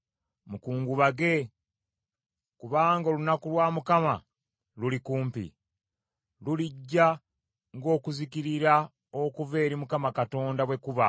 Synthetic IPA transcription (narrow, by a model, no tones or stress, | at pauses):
mukuːŋɡuβaɡe̞ | kuβaːŋɡao̞ːlunakulwaːmukama̰ | lulikuːmpḭ | luliɟːa | ŋɡo̞ːkuzikiɾiɾa | o̞kuve̞ːɾimukamakato̞ːndaβwe̞kuβa̰